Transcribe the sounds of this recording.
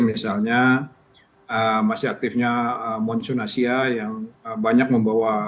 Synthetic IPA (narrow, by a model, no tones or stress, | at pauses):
misalɲa | əmasɪhak̚t̪ɪfɲaəmɔnsɔnasiajaŋəbaɲak̚məmbawa